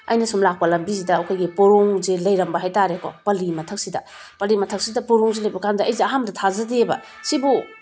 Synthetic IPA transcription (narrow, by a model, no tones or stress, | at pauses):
ɐ̰jnɐsumlak̚pɐlɐmbizidɐːwkʰajɡipoɾoŋzelɐjɾɐmbɐɦajtaɾeko̰pɐlimɐtʰɐk̚sidɐ̰ | pɐlimɐtʰɐk̚sidɐpoɾoŋzelɐjbɐkamdɐɐjziɐɦamdɐtʰazɐdebɐ̰ | sibu